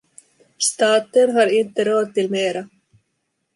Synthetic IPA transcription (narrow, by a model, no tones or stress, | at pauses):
st̪ɑːt̪ənɦɑːɾɪnt̪əɾoːd̪̚t̪ɪlmeːɾa